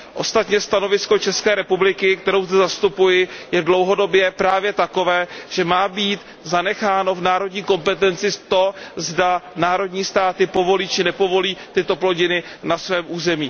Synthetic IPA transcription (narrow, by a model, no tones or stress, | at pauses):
ʔo̞st̪at̪ɲɛst̪ano̞vɪsko̞t͡ʃɛskɛːɾɛpublɪkɪkt̪ɛɾowzdɛzast̪upujɪjɛdlo̞wɦo̞do̞bjɛpɾaːvjɛt̪ako̞vɛːʒ̥ɛmaːbiːt̪ | zanɛxaːno̞vnaːɾo̞dɲiːko̞mpɛt̪ɛnt͡sɪt̪o̞zdanaːɾo̞dɲiːst̪aːt̪ɪpo̞vo̞liːt͡ʃɪnɛpo̞vo̞liːt̪ɪt̪o̞plo̞ɟɪnɪnasvɛːmʔuːzɛmiː